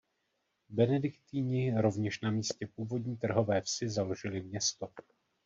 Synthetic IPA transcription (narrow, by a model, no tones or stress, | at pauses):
bɛnɛdɪkt̪iːɲɪɾo̞vɲɛʃnamiːscɛpuːvo̞dɲiːt̪r̩ɦo̞vɛːfsɪzalo̞ʒɪlɪmɲɛst̪o